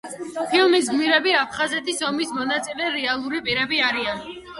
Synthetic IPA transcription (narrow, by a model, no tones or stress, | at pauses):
pʰilˠmisɡmiɾɛbiapʰχazɛt̪ʰisɔmismɔnat̪sʼilɛɾɛalˠuɾipʼiɾɛbiaɾian